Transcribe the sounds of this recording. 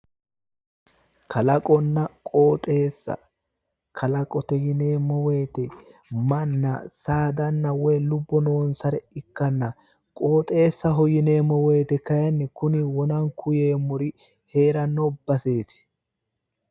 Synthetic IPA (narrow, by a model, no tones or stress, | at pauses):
kʰɐlɐkʼɔnːɐkʼo̞ːt̪ʼe̞ːsːɐ̰ | kʰɐlɐkʼɔt̪ɛjɪneːmɔwejt̪ɛmɐnːɐ̰saːd̪ɐnːɐwɔjlʊbːɔnoːnsɐɾɛɪkːɐnːɐ | kʼo̞ːt̪ʼe̞ːsːɐɦɔjɪne̞ːmɔwejt̪ɛkɐjɐnːɛkʊnɪwɔnɐŋkʰʊjeːmʊɾɪ | he̞ːɾɐnːɔbɐse̞ːt̪ɪ̥